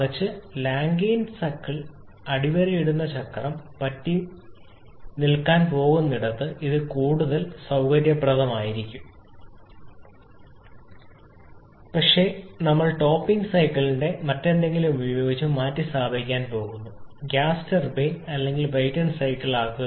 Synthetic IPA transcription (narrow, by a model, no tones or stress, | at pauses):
ɐt͡ɕːɨlaːŋɡeːnsɐkːiɭ | ɐɽiʋɐɾɐjiɽunːɐt͡ɕɐkːrɐmpɐtːi | nilkaːnpo̞ːɣunːiɽɐt̪ːɨʔiðɨkuːɽuðɐlsɐwkɐɾjɐprɐðɐmaːjiɾikʲːum | pɐkʂe̞ːnɐmːɐɭʈo̞ːpːiŋɡsɐjkːɐɭinde̞mɐtːe̞nd̪e̞ŋɡilumubɐjo̞ːɡit͡ɕːumːaːtːist̪aːbʱɐikʲːaːnpo̞ːɣunːuɡjaːstɐrbejnɐlːe̞ŋɡilbɐjtɐɳsɐjkːɐɭaːɣu